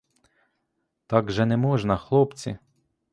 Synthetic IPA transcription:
t̪ɑɡʒɛnɛmɔʒnɐxlˠɔpt͡sʲḭ

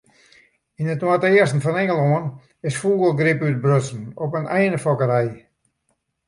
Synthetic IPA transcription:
inətwatəɪəstn̩fɔnɛŋəlˠoən | ɪsfuːɡəlˠɡɾɪpyt̚brøsn̩ɔpənʔɛjnəfɔkəɾɛj

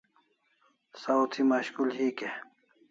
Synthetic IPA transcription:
sawt̪ʰimaɕkulɦike

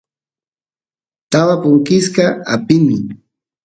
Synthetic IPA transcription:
t̪awapʊŋkɪskaa̰pɪmɪ

